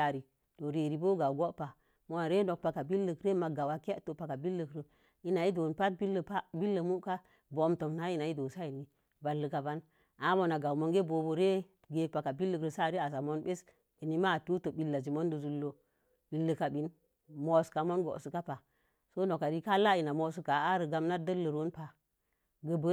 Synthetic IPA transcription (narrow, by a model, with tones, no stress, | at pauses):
a˨ɾi˨ | to˨ɾe˨ɾi˨bo˦ɡa˨wɡo˦ʔpa˨ | mo˦na˨ɾe˦no˨k̚pa˨ka˨bi˦lːə˨kɾe˦ma˨ɡa˨wa˨ke˦ʔto˨pa˨ka˨bi˦lːə˨kɾə˨ | i˦na˨i˦do˨npa˦t̚bi˦lːə˨pa˦bi˦lːə˨mu˦ʔka˦ | bo˨˦mto˨mna˦i˦na˨i˦do˨sa˦i˨ni˨ | ba˨lːə˨ka˨ba˦n | a˦mo˨na˨ɡa˨wmo˦ŋɡe˦bo˨bo˨ɾe˦ | ɡe˨pa˨ka˨bi˦lːə˨kɾə˨sa˦˨ɾe˦a˨sa˨mo˦nbe˦s | i˨ni˦ma˦˨tu˦tə˨bi˨lːa˨d͡ʒi˨mo˦ndə˨zu˦lːo˨ | ɓi˨lːə˨ka˨bi˦n | mo˨ska˨mo˦nɡo̰˨su˨ka˦pa˨ | so˦no˨ka˨ɾi˦ka˦la˦i˨na˨mo˨s̬u˦ka˨a˦ɾə˨ɡa˦mna˦də˦lːə˨ɾo˦npa˨ | ɡə˨bə˦